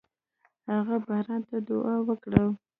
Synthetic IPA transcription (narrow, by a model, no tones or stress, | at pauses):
haɣabahɾɑnt̪ad̪ʊʔɑwəkɽəl